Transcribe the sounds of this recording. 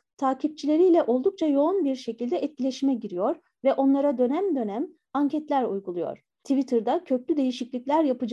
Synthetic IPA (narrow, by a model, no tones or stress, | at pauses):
t̪ʰaːcʰip̚t͡ʃʰilʲe̞ɾijlʲɛʔo̞lˠd̪uk̚t͡ʃʰajo̞unbiɾʃe̞cilʲd̪ɛʔɛt̪̚cilʲeʃimɛɟiɾijo̞ɾ | vɛʔo̞nlˠaɾad̪ø̞næmd̪ø̞næm | aɲcʰɛt̪lʲæɾujɡulˠujo̞̰ɾ̥ | t̪ʰivit̪ʰɯɾd̪acʰø̞plʲyd̪e̞jiʃiclʲiclʲæɾjapɯd͡ʒa